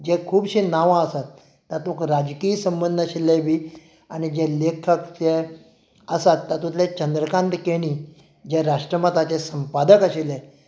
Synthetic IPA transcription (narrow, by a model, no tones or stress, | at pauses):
d͡ʑɛkʰuːbɕinaʋãəsat̪ː | at̪okɾad͡ʑkiːsəmbənd̪ʱəɕelɛʋiː | añid͡ʑɛlekʰəkt͡ɕɛ | əsat̪ːat̪ut̪ʰlɛt͡ɕənd̪ɾəkãnt̪keɽ̃iː | d͡ʑɛɾaʂʈɾəmat̪at͡ɕɛsəmpad̪əkəɕelɛ